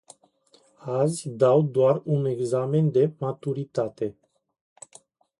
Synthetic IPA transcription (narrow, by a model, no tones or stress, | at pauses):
azʲd̪awd̪oarune̞ɡzame̞nd̪e̞mat̪uɾit̪at̪e̞